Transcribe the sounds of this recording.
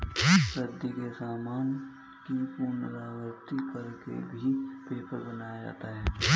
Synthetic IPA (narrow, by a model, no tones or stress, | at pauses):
ɾəd̪ikesaːmaːn | kipuɾnəɾaːɡəɾt̪ikɐɾkḛbʱipeːpəɾbɐnaːjad͡ʒa̰ːt̪aɦɛː